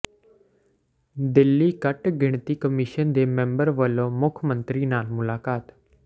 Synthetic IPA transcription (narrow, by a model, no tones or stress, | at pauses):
d̪ɪlːikəʈɡʱɪɳ̃t̪ikəmiʃənd̪eːmẽmbəɾʋəlːomʊkʰmə̃nt̪ɾinaːlmʊlaːkaːt̪